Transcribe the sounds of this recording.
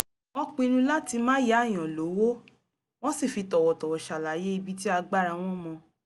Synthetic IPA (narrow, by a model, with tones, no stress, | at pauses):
wɔ̃˦k͡pĩ˧ɾũ˧la˦ti˧mãː˦ja˨˦˨j̃ɔ̃˨lo˨˦wo˦ | w̃ɔ̃˦si˦˨fi˧tɔ˨wɔ˨tɔ˨wɔ˨ʃa˨la˨je˦i˧bi˦t̬i˦a˧ɡ͡ba˦ɾa˧w̃ɔ̃˦mɔ̃˧